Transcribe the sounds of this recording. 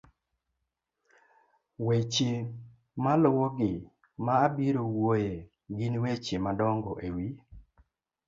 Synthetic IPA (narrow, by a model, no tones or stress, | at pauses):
wet͡ʃe | malowɔɡɪ | maːbiɾowoje | ɡɪnwet͡ʃemadɔŋɡɔʔewi